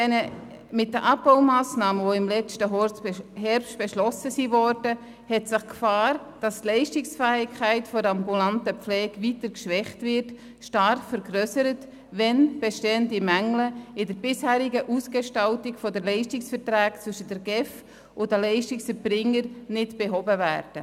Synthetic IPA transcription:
ɛnə | mɪt̚dəʔɑp̚baʊmaːsnɑːməʋoɪmlɛt͡ʃtəɦɔɾt͡shɛɾpʃt̚b̥eʃlɔsəsivɔɾdə | hɛtsɪχkfɑːɾ | d̥ɑstlɛɪʃtɪksfæːɪkʰæɪtfɔɾɑmbulantəp͡flɛːkvitəɾkʃʋɛχtvɪɾt | ʃtɑɾfəɾɡrøsəɾət | ʋɛnb̥eʃteːəndimæŋləɪdəɾbɪshæːɾɪɡəʔusɡ̥eʃtɑltɪkfɔdəlɛɪʃtɪksfəɾtɾæːkt͡svʏʃəd̥əɾɡ̥ɛf | ʊdəlɛɪʃtɪksəɾbɾɪŋːəɾnɪtb̥eɦɔbəvæ̰ːɾd̥ə

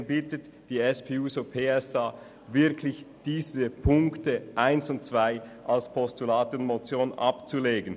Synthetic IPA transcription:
bɪtət | d̥iːɛspʰeːuːsopʰeːɛsaː | vɪɐkʰlɪçd̥iːzəpʰʊŋktəʔaɪnsʊnt̚t͡sv̥aɪʔalspʰɔstulaːtʊntmot͡sjoːnʔɑ̰pt͡suleːɡən

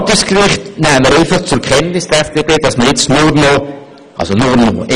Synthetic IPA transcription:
təskrɪχtnɛːməɾeɪfɑχt͡sʊkχɛntnɪsd̥ɛsd̥eːbeːd̥ɑsməɾjɪt͡stnʊrno | ʔɑ̰lsonʊɾnoʔ

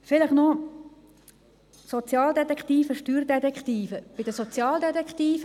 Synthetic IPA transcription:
fɪləχno | sot͡sjɑːldɛt̪ɛkχt̪iːfəʃtyːɾdɛt̪ɛkχt̪iːfəb̥ɪd̥əsɔt͡sjɑːld̪ɛt̪ɛkχt̪iːfə

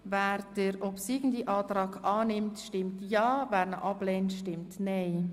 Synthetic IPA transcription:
væːɾd̥əɾʔɔpsiɡn̩diʔɑːtɾɑːkɑːnɪmtʃtɪmtjɑːvæːɾnə̰ʔɑblɛːntʃtɪmtneɪ

